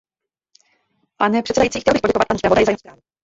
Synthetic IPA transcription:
panɛpʂɛtsɛdajitt͡siːxcɛlbɪxpoɟɛkɔvat̪̚pansɾavd̪ajzajimspɾaːvu

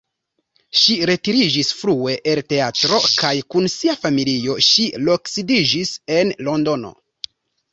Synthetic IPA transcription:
ʃiɾe̞tiɾid͡ʒisfɾue̞ʔelte̞atɾo̞kajkunsiafamilio̞ʃiloksidid͡ʒise̞nlo̞ndo̞no̞̰

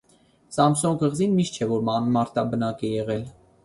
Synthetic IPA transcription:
sɑmsɔnɡəʁzinmiʃt̪̚t͡ʃʰɛvɔɾmɑnmɑɾt̪ɑbənɑkɛjɛʁɛl

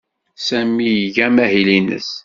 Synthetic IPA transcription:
sæmːijʝæmæɦilinə̰s

